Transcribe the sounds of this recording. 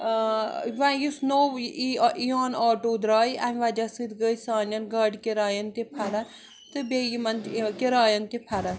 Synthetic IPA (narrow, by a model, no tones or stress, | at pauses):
ʋãjusnoːwiiɔːnɔːʈoːd̪ɾaːja̰mʲʋad͡ʒɐsɨd̪ɡəjsaːnjɐnɡɐɖkeɾaːjɐnt̪epʰɐɾɐ | t̪ɨbejimɐnkeɾaːjɐnt̪epʰɐɾɐ